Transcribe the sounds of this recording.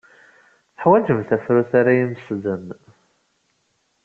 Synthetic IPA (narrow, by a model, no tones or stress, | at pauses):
θəħwæd͡ʒəmθæfɾʊθaɾajimsðən